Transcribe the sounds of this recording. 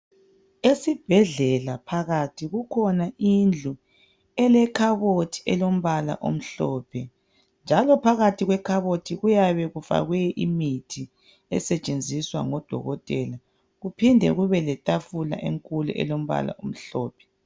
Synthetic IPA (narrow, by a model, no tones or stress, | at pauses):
esib̥ʱɛɮɛlapʰaɣatʰiɣukʰɔnaind͡ɮʱu | ɛlɛkʰaβotʰi̥ʔɛlom̩βala̰ʔo̰m̩ɬɔːpʰɛ | nd͡ʒʱalɔpʰaɣatʰiɣwɛkʰaβotʰiɣujaβɛɣufa̰ɣwɛʔimitʰi | ɛ̰sɛt͡ʃʼend͡zʱiswa̰ŋɔd̥ʱɔ̰ɣɔtʼɛla | ɣupʰindʱɛ̰ɣuβɛlɛtʼafula̰ʔeŋkʼulṵʔɛ̰lom̩βa̰la̰ʔom̩ɬɔːpʰɛ̥